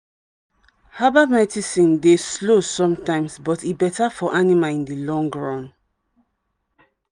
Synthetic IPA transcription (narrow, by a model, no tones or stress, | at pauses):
habamɛtisĩndeslosɔ̃mtãɪ̃msbɔtibɛtafɔʔanimaĩndilɔ̃ŋɡɹɔ̃n